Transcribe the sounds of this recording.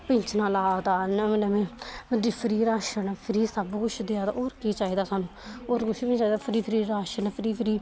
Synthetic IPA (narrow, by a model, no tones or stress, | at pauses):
pɪɲt͡ʃnãːlaːt̪aːnəmenəmẽːəd̪ipʰɪɾiːɾaːʃənpʰɪɾiːsəbkʊt͡ʃʰd̪ɪaːt̪a̰ʔoːɾkiːt͡ʃaːiːd̪aːsaːnũːoːɾkʊt͡ʃʰet͡ʃaːiːd̪aːpʰɾiːpʰɪɾiːɾaːʃənpʰɪɾiːpʰɪɾiː